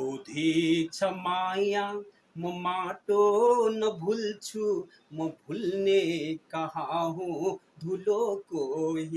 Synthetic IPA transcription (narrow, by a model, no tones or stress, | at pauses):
od̪ʱit͡ʃʰəmajã | məmaʈonəbʱult͡ʃʰu | məbʱulnekəɦaɦũ | d̪ʱulokoɦi